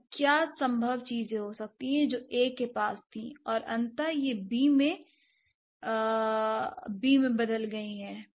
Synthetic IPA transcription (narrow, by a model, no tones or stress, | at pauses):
kjaːsɐ̃mbʱəʋt͡ʃiːzẽɦosɐk̚t̪iɦɛ̃d͡ʒoːʔeːkːepaːst̪ʰḭ̃ɔːɾɐ̃nt̪ajebiːmẽ | biːmẽbɐd̪əlɡɐiɦɛː